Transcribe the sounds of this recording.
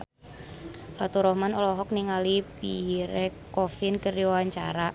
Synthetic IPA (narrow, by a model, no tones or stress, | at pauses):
fat̪uɾɔhmanɔlɔɦɔk̚niŋalipiɾɛkɔfɪnkəriwaɲt͡ʃa̰ɾa